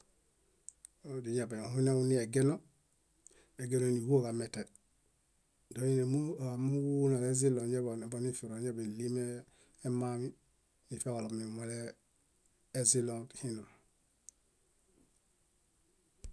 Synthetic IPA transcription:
odi˨ɲa˨be˨hu˦ne˦unie˨ɡe˦no˦ | e˨ɡe˦noni˨wo˦ka˨me˨te˨ | doine˨muamu˦wu˦na˨le˦zi˦lo˨ɲe˦bon˨bo˨ni˦fi˨ɾoɲabeli˦me˦ | e˦mami˦ | ni˨fe˦o˨lo˨mni˨male˦ | zi˦lonthino˨

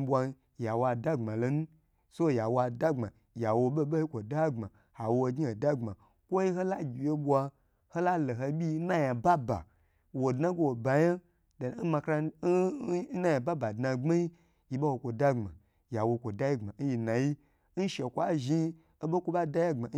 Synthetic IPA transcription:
bwa˧˦ | ja˨wa˧da˦ŋ͡ma˨lo˨nu˦ | so˦˨ja˨wa˨da˦ŋ͡ma˨ | ja˨wo˧ɓo˦ɓo˦ji˦kʷo˨da˦ŋ͡ma˨ | ha˨wo˦˨ɡʲi˦o˨da˦ŋ͡ma˨ | kʷo˦ji˦ɦo˦la˦ɡʲi˨je˦ɓʷa˧ | ho˦la˦lo˨ɦo˧bʲi˦na˦ja˨ba˦ba̰˨ | wo˨dna˦ɡo˦wo˨ba˨ja˦ | da˨˦n̩˦ma˧kɾa˧˦na˦ja˨ba˦ba˨dna˧ŋ͡ma˦ji˦ | ji˨ɓo˦wo˨kʷo˨da˦ŋ͡ma̰˨ | ja˨wo˧kʷo˨da˦ji˦ŋ͡ma˨n̩˦ji˧na˨ji˦ | n̩˦ʃe˨kʷa˦ʒi˦ | o˦ɓo˦kʷo˦ɓa˦da˦ja˦ŋ͡ma˨˦

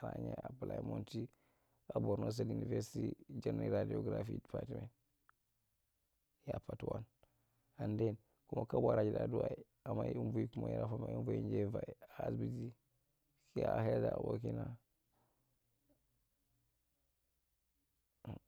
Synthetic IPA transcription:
a˨ɾa˨ɲe˦a˨pa˨la˨imo˦nti˦ | a˨bo˨ɾno˦s̬a˦lu˨ni˨ve˦ɾsitid͡ʒa˦ni˨ɾa˨di˨o˨ɡɾafidpatime˨ | ja˨pa˨twa˦n | a˨nde˦n | ku˦ma˨ka˦ba˨ɾa˨d͡ʒi˨da˨duwa˨i˨ | a˨ma˨u˦nvu˦i˦ku˦ma˨ji˦ɾa˦fa˦ma˨u˦nvo˦i˦nd͡ʒe˦va˨i˨a˨˦sbi˦ti˦ | ki˦a˨he˦lda˨wo˨k̬i˦na˨

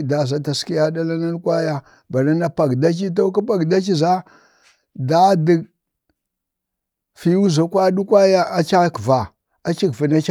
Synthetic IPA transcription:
da˨za˨ta˨ski˦ja˦da˦la˦na˦n˦kʷa˦ja˦ | ba˨na˦na˦pa˨ɡda˦t͡ʃi˦t̬o˦k̬a˦pa˨ɡda˦t͡ʃi˦za˦ | da˦di˨ | fi˦u˦za˨kwa˦du˦kʷa˦ja˦a˦t͡ʃa˦kva˨ | a˦t͡ʃi˦kfi˨na˦t͡ʃ

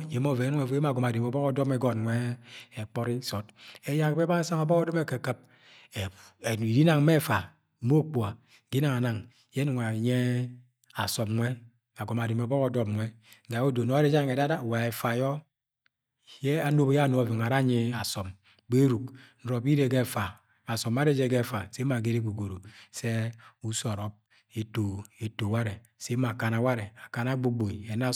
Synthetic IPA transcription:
je˨˦mo˦˨ve˨˦n˦ŋe˨˦e˦m˦a˨ɡo˨m˨a˨di˨m˨o˨bɔ˦ko˦dɔ˦me˦ɡɔ˦tŋʷe˦e˨k͡pɔ˦ɾi˦so˨te˦ja˦kbe˦ba˦e˦sa˦ŋo˨bɔ˦ko˦de˦me˦ke˨kɨ˦˨p̚ | e˨i˨di˦na˨ŋ˦me˦˨fa˨ | mo˦k͡pa˨ | ɡi˦na˨ŋa˨na˨ŋ˨ | je˦nu˨ŋe˨ɲe˦ | a˨so˨mŋʷe˦ | a˨ɡo˨m˨a˨di˨mo˨bɔ˦ko˦dɔ˦m̚ʷ˨e˦ɡa˨˦o˦do˨no˦e˦d͡ʒa˦˨ŋe˨da˦da˦˨wa˨ɛ˨fa˨jɔ˦ | je˦a˨no˦bja˦˨no˨˦˨vi˨ŋ˨a˨ɾa˦ɲi˦a˨sɔ˨m | be˦ɾu˨k̚n̩˨ɾɔ˨bi˦ɾe˦ɡɛ˦˨fa˨ | a˨sɔ˨ma˦ɾe˦d͡ʒe˦ɡɛ˦˨fa˨se˦ma˨ɡe˦ɾe˦ɡu˨ɡo˨ɾo˨sɛ˦u˦so˨ɾɔ˨˦p̚ | e˨to˨e˨to˨wa˦ɾe˨ | se˦ma˨ka˨na˨wa˦ɾe˨a˨ka˨na˦ɡ͡bo˦ɡ͡bo˨i˨ɛ˨na˦˨

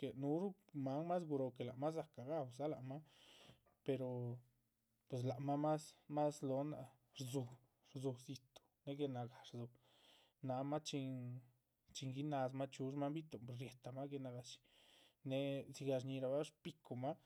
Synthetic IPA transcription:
ke˨nu˧ɾu˦ma˨˦ŋma˦s̬ɡu˧ɾo˧ke˨la˨ma˦s̬a˧ka˨ɡa˦wsa˦la˨ma˦ | pe˧ɾo˨ | pwe˨s̬la˨ma˦ma˦sma˦slo˧˦na̰˧ | ɾzu˧ | ɾzu˧zi˧t̪o̥˧ne˧ɡe˧na˨ɡa˨ɾzu˧ | na˧ma˦t͡ʃi˧ŋ | t͡ʃi˧ŋɡi˧na˧sma˦t͡ʃu˧ʂma˦mbi˦t̪o˨ɾje˨t̪a˧ma˦ɡe˧na˧ɡa˧t͡ʃi̥˧ne˧zi˧ɡa˧ʂɲi˧ɾa˧ba˦ʂpi˧ku˧ma˦

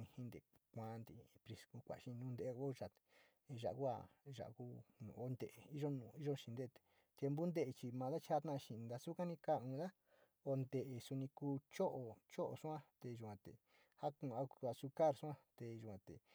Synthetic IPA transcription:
ĩ˧hĩ˦nd̪ḛ˨kʷã˦nd̪i˧pɾi˧sku˧kʷa̰˨˧ʃĩ˧nũː˦nd̪e˧ʔo˦ʒa˨t̪e̥˨˧ | ʒa̰˨ʔku˦a̰˧˨ʒa̰˨ʔku˦nũ˨o˦nd̪e˧ʔe˨i˦ʒo˦nũ˧˨i˦ʒo˦˧ʃĩ˧nd̪e˦˧t̪e̥˨ | t̪je˧mbu˦nd̪e˦ʔe˧t͡ʃi˧mã˧ða˦t͡ʃha˦t̪ã˦ʔʃĩ˧˨˧nd̪a˧su˦kã˦nĩ˧ka˦˨ũ˧ða˦ | o˧nd̪e˧ʔe˨su˧nĩ˧kuː˧˦t͡ʃo˦ʔo˨t͡ʃo˦ʔo̰˨su˦ã˦t̪e˧ʒu˨kʷã˨˧t̪ḛ˨ | ha˦kũ˧˨˧a˧˦˧a˧su˧ka˦˨ɾsu˦ã˦t̪e˨˧ʒu˨kʷã˨t̪ḛ˨

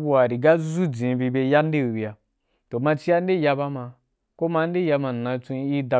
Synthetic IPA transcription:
bu˦˨a˨ɾi˨ɡa˦zu˦d͡zĩ˨˦bi˧be˧ja˦n̩˦e˦i˨bi˨a˨ | to˨mã˧t͡ʃi˦a˦n˦e˦ja˧ba˦ma˧ | ko˦mã˧˦n˦e˦˨ja˧ma˨nã˧t͡sũ˧˦i˦da˧

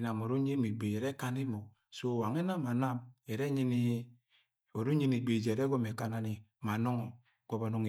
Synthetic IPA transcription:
na˨mo˨ɾo˦ɲi˦mi˨ɡ͡be˨e˨ɾe˦ka˦ni˦mo˨ | so˦˨wa˨ŋe˦na˦ma˨na˦me˨ɾe˦ɲi˦ni˦ | o˨ɾo˦ɲi˦ni˨ɡ͡be˨d͡ʒe˨ɾe˦ɡo˦me˨ka˦na˨˦ni˨ma˨no˦ŋo˨ | ɡ̥o˦ba˨no˦ŋe˨

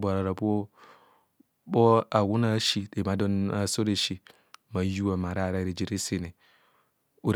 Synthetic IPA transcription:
bʷa˨ɾa˨ɾa˨bo˦ | bo˦a˨wu˦na˦ʃi˦de˨ma˨do˦na˦˨so˦ɾe˨ʃi˨ | ma˨˦ju˦wa˨ma˨ɾa˦˨ɾa˦˨ɾe˨d͡ʒi˦ɾi˦se˨ne˨ | u˨ɾ

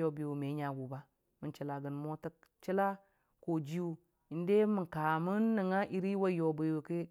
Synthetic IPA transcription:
o˨bi˨wu˨me˨˦ɲa˨ɡu˨ba˦ | mə˨nt͡ʃi˨la˨ɡə˨nmo˦tə˦k | t͡ʃi˦la˦ | ko˨d͡ʒi˦u˦ | i˨n˦de˦mə˨ŋka˨mu˦nːə˨ŋa˦ʔi˦ɾi˦wa˦jo˨bi˨wu˨kə˦

